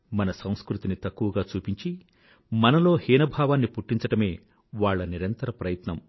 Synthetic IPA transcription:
mɐnɐsɐ̃w̃skɾut̪init̪ɐkːuʋɐɡaːt͡ʃuːpiɲt͡ʃi | mɐnɐlo̞ːhiːnɐbʱaːʋaːnːipuʈːiɲt͡ʃɐʈɐme̞ː | ʋaːɭːɐniɾɐnt̪ɐɾɐpɾɐjɐt̪nɐm

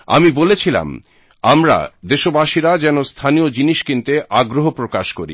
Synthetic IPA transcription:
a̰mibolet͡ɕʰila̰m | amɾa̰d̪eʃobaʃiɾad͡ʑɛnost̪ʰaniod͡ʑiniʃkint̪eʔaɡɾoɦopɾokaʃkoɾḭ

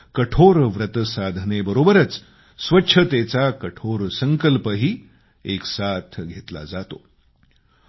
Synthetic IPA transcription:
kəʈʰoɾʋɾət̪əsad̪ʱnebəɾobəɾət͡s | sʋətːɕʰət̪et͡sakəʈʰoɾsəŋkəlpəɦiː | eksat̪ʰɡʱet̪la̰d͡zat̪o̰

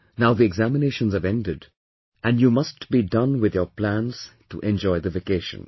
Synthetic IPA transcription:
naʊðiɛɡzæmɪneʃə̃nzəvɛ̃ndɪd | æ̃njuːmʌstb̥idʌ̃nwɪðjəplæ̃nz̥tṵʔɛ̃nd͡ʒɔɪðəvekeɪʃə̰̃n

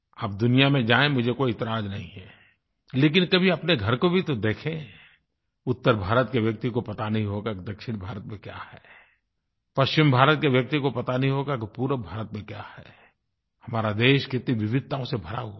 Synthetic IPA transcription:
aːp̚d̪ʊnijamẽd͡ʒaːẽmʊd͡ʒʱekoːiɪt̪ɪɾaːd͡ʒnɐɦḭ̃ɦɛː | leːkɪnkɐbʱiɐpneɡʱɐɾkobʱit̪od̪eːkʰẽ | ʊt̪ːəɾbʱaːɾət̪keʋjɐk̚t̪ikopɐt̪anɐɦĩɦoːɡakid̪ɐkʃɪnbʱaːɾət̪mẽkja̰ːhɛː | pɐʃt͡ʃɪmbʱaːɾət̪̚keʋjɐk̚t̪ikopɐt̪anɐɦĩɦoːɡakipuːɾəbʱaːɾət̪̚mẽkjaːhɛ̰ː | hɐmaːɾad̪eːʃkɪt̪niʋɪʋɪd̪̚ʱt̪ãõsebʱɐɾa̰ɦu

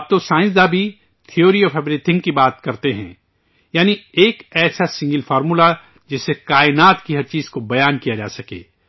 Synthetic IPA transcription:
p̚t̪osãːɪ̃nsd̪abʱi | t̪ʰioːɾiɔːfɛbɾiːt̪ʰɪ̃ŋɡkibaːt̪kɐɾt̪eɦɛ̰̃ | jaːnieːkɛːsasɪ̃ŋɡəlfɔːɾmula | d͡ʒɪsːekaːɪnaːt̪kiɦɐɾt͡ʃiːzkobɐjaːnkijad͡ʒa̰ːsɐkḛː

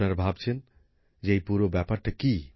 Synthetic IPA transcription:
naɾbʱabt͡ɕʰen | d͡ʑejpuɾobɛpaɾʈaki

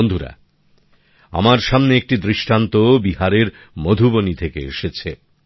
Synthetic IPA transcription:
ond̪ʱuɾa̰ | a̰maɾʃamneek̚ʈid̪ɾiʃʈant̪obihaɾeɾ | mod̪ʱubonit̪ʰekeḛʃet͡ɕʰe

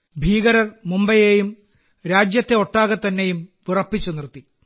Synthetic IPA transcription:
bʱiːɣɐɾɐrmumbɐjejum | ɾaːd͡ʑjɐt̪ːe̞o̞ʈːaːɣɐt̪ːɐnːe̞jumʋirɐpːit͡ɕːunirt̪ːi

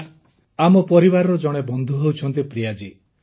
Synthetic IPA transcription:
amɔpɔɾibaɾɔɾɔd͡ʒɔɽ̃ebɔnd̪ʱuɦewt͡ʃʰɔnt̪ipɾijad͡ʒi

